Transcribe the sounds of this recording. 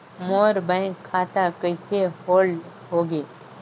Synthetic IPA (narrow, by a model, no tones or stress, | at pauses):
moːɾbə̃aːt̪akəɪsehoːl | ɦoːɡeː